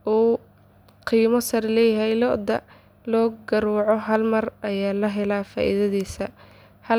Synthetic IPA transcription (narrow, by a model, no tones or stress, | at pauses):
ʔuː | qiːmɔsɐɾlɛːjɐɦɛjlɔʔd̪ɐ̰ | lɔːɡɐɾuːʕɔɦɐlmɐrʔɐjaːlɐɦɛlaːfa̰ːʔḭðɐðiːsɐ | hɐ